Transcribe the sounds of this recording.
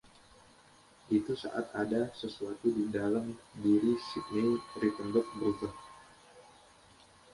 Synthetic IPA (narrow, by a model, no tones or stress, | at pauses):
ʔit̪usa̰ʔat̪adasəsuat̪udidalamdiɾisik̪̚nirit̪ənbɔk̪̚bərutə